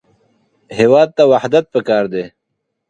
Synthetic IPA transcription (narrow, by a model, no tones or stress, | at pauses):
heːwɑːd̪̚t̪awahd̪ɐt̪̚pəkɑːɾd̪eː